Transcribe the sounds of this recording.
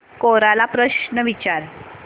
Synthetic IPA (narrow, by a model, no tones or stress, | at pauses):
koɾalapɾəɕɳəʋit͡ɕaɾ